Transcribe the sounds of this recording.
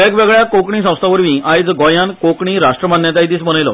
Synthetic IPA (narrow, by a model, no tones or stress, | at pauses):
ekʋeɡɭjakokɳiːs̬ə̃w̃st̪ʰaʋəɾʋiːʔajd͡zɡɔjãnkokɳiːɾaʂʈɾəmanjat̪ajid̪iːsbənəjlɔ̰